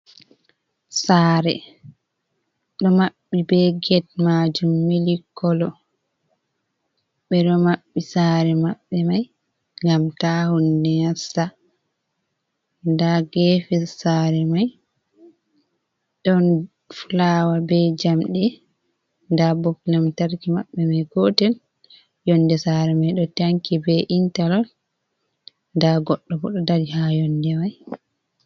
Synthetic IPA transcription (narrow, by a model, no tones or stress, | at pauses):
saːɾɛ | ɗɔmaɓːibɛɡɛt̚mad͡ʒumːilikːɔlɔ | ɓɛɗɔmaɓːisaːɾɛmaɓːɛmaj | ŋɡamtahundɛjasa | ndaɡɛːfisaːɾɛmaj | ɗɔn | fulawabɛd͡ʒamɗɛ | ndabɔkːinamtaɾkimaɓːɛmajɡɔːtɛl | jɔndɛsaɾɛmajɗɔtaŋkibɛʔintalɔl | ndaɡɔɗːɔbɔɗɔdaɾihajɔndɛmaj